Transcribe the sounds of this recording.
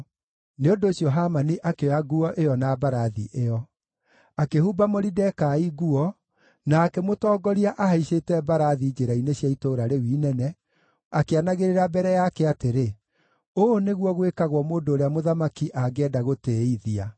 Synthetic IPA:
neondoːɕiɔɦamaniʔakeaɡuɔʔejɔnabaɾaðḭʔeɔ | akehuːbamoɾidɛkaiɡuɔ | naːkɛmotɔːɡɔɾiaʔaɦaiʃetɛbaɾaðid͡ʒeɾainesɕjaitoːɾaɾewiːnɛnɛ | akeanaɣeɾeɾabɛɾɛjakɛateɾe | oneɣwɔɣwekaɣwɔmoːndoːɾeamoðamakiʔaɡɛːdaɣoteːiðia

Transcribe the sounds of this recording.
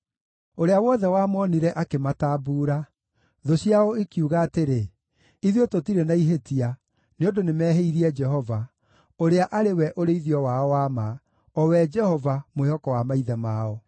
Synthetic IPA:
oɾeawɔðɛwamɔniɾɛʔakemataːbuːɾa | ðoɕjaɔekiuɣaːteɾe | iðiototiɾenaiɦetia | neondonemɛːɦeiɾiɛd͡ʒɛhɔva | oɾeaʔaɾewɛʔoɾeiðiɔwaɔwama | ɔwɛd͡ʒɛhɔvamehɔkɔwamaiðɛmaːɔ

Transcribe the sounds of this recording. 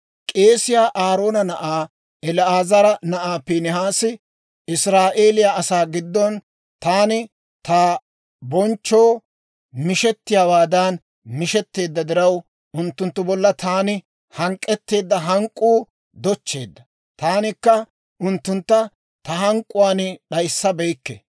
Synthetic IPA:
kʼe̞ːsɪjaːʔaːɾo̞ːnɐnɐʔaː | ɛlaːzɐɾɐnɐʔaːpiːnɪɦaːsɪ | ɪsɾaːʔe̞ːlɪjaːʔɐsaːɡɪd̪ːɔn | t̪aːnɪ | t̪aː | bɔnt͡ʃːo̞ː | mɪʃɛt̪ːɪjaːwaːd̪ɐn | mɪʃɛt̪ːe̞ːd̪ːɐd̪ɪɾɐw | ʊnt̪ːʊnt̪ːʊbɔlːɐt̪aːnɪ | hɐŋkʼːɛt̪ːe̞ːd̪ːɐɦɐŋkʼːuː | d̪ɔt͡ʃːe̞ːd̪ːɐ | t̪aːnɪkːɐ | ʔʊnt̪ːʊnt̪ːɐ | t̪ɐɦɐŋkʼːʊwaːnɪɗɐjsːɐbɛjkːɛ̰

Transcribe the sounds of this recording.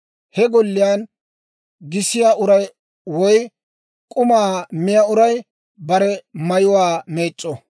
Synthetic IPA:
hɛɡɔlːɪjaːn | ɡɪsɪjaʔʊɾɐj | wɔj | kʼʊmaːmɪjaʊɾɐj | bɐɾɛmɐjʊwaːmeːt͡ʃʼːɔ

